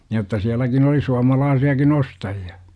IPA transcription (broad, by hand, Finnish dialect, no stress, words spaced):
jotːɑ siælækin oli suɑmɑlɑːsiɑkin ostɑjiɑ